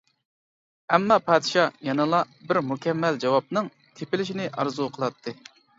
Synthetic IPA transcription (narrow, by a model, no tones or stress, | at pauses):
ɛmːɑpʰɑːd̪ʃɑjɑnɨlˠɑ | bɪɾmukʲʰɛmːɛld͡ʒɑwɑp̚nɨŋ | t̪ʰepɪlɪʃ̬inɪʔɑ̰ɾzuqʰəlˠɑt̪ʰːɨ